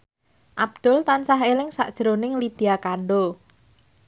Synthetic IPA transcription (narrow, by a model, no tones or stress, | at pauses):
ʔab̥̚d̪̥ʊ̤lt̪ansaɦelɪŋsa̰ʔd̥ʒ̥əɾonɪŋlid̪̥iakaɳɖo